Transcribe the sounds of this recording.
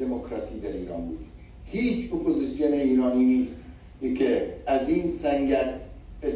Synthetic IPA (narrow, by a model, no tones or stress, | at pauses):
emokɾɑsiːd̪æɾiːɾɒːnbṵːd̪ | hiːt͡ʃʰopʰozisijoneiːɾɒːniːniːst̪ | kʰeæziːnsæŋɡæɾes